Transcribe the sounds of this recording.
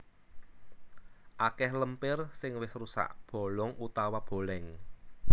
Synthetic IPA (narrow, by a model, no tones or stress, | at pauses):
ʔakɛhləmpɪrsɪŋwɪsrusa̰ʔb̥o̤lɔŋʔut̪awab̥o̤lɛŋ